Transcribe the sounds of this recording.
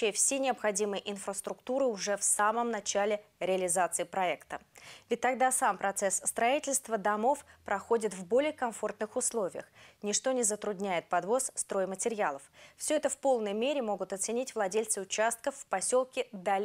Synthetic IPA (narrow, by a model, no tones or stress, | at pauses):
ɪəfsʲenʲɪɐpxɐdʲimɨjʔɪnfɾəst̪ɾʊkt̪uɾɨʊʐɛfsaməmnɐt͡ɕælʲɪɾʲɪəlʲɪzat̪sɨɪpɾɐɛkt̪əvʲɪt̚ʲt̪ːɐɡd̪asampɾɐt̪sɛsːt̪ɾɐitʲɪlʲst̪vəd̪ɐmo̞fpɾɐxo̞dʲɪt̪vbo̞lʲɪjəkɐmfo̞rt̪nɨxʊslˠo̞vʲɪjə̰xnʲɪʂt̪o̞nʲɪzət̪ɾʊd̪ʲnʲæjɪt̪̚pɐd̪vo̞sst̪ɾo̞jɪmətʲɪɾʲɪalˠəffsʲoɛt̪əfpo̞lˠnəjmʲeɾʲɪmo̞ɡʊt̪ɐt̪sɨnʲitʲvlˠɐdʲelʲt̪sɨʊt͡ɕast̪̚kəfːpɐsʲo̞lˠkʲɪd̪alʲ